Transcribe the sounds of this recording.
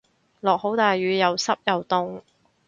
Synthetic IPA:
lɔː˨k̚ho˨˥wt̪aː˨jɥyː˨˧jɐ˨˧wsɐ˥p̚jɐ˨˧wt̪ʊ˥ŋ

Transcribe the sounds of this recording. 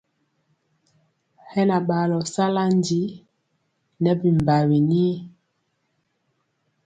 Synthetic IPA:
hɛ˦na˨ɓa˨lɔ˨sa˦la˦ndi˨˦ | nɛ˦bi˨m˨ba˨wi˨ni˦

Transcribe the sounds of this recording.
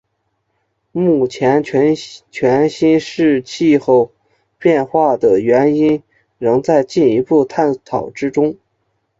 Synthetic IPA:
mu˥˩t͡ɕʰjɛ˧˥nʰ˧˥t͡ɕʰɥɛ˧˥nɕi˥nʂɻ̩˥˧t͡ɕʰi˥˧xo˥˧ʊ | pjɛ˥˧nxwa˥˩d̪ə˩ɥɛ˧˥ni˥n | ɻɤ˧˥ŋt͡sa˥˧ɪt͡ɕi˥˩ni˧˥pu˥˧t̪ʰa˥˩nt̪ʰɑ˨˩ʊʈ͡ʂɻ̩˥ʈ͡ʂʊ˥ŋ

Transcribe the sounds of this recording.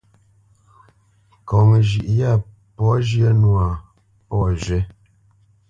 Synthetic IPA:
kɔ˨ŋə˨ʒi˨ʔja˦˨ | pɔ˨˦ʒjə˦nwa˨ | pɔ˦˨ʒe˦

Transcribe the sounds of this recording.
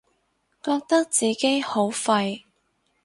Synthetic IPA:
kɔː˧k̚t̪ɐ˥k̚t͡siː˨ke˥jho˨˥wfɐ˧j

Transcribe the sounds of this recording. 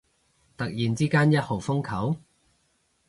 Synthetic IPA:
t̪ɐ˨k̚jiː˨˩nt͡siː˥kaː˥njɐ˥t̚ho˨˩wfʊ˥ŋkʰɐ˨˥w

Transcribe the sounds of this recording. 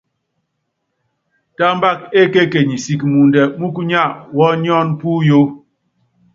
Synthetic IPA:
ta˦mba˦˨k̚e˦ke˦ke˨ɲi˨si˨kmu˨ndɛ˨mu˦ku˦ɲa˦˨ʔwɔ˦ɲ˦ɔ˦˨npu˦jo˦

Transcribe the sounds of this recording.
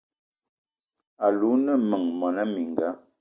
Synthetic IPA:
a˨lu˨˦nə˦˨mə˨ŋmɔ˨na˦mi˨ŋ˨ɡa˨˦

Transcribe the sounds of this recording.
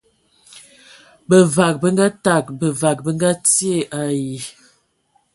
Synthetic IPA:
bə˨va˨k̚bə˦ŋɡa˦ta˨k̚bə˨va˨k̚bə˦ŋɡa˦ti˦e˦˨ʔa˨ji˨

